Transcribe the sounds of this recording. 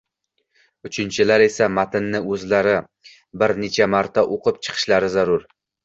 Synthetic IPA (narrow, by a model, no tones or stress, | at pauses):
ʊt͡ʃʰɪnt͡ʃʰɪlaɾe̞samat̪ɪnːɪɵzlaɾɪ | bɪɾnet͡ʃʰamaɾt̪ʰaʔoqʰɨp̚t͡ʃʰɨ̥qʰɨ̥ʃlaɾɪzaɾʊɾ